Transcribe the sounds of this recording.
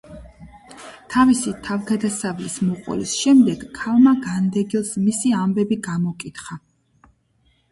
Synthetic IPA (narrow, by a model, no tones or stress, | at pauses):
t̪ʰavisit̪ʰavɡad̪asavlismɔqʼɔ̰lḭsʃɛmd̪ɛɡ̥ʰːalmaɡand̪ɛɡilˠsmisiambɛbiɡamɔkʼit̪χa